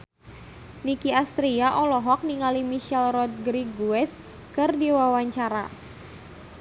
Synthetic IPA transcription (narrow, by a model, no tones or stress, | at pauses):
nikiast̪ɾiaʔɔlɔɦɔk̚niŋalimiʃɛlrɔt̪̚ɡɾiɡuɛs | kɨrdiwawaɲt͡ʃaɾa̰